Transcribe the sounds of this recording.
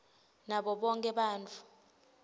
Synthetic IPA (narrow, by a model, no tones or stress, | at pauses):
naɓɔɓɔŋkʼɛɓaːnt͡fʰu̥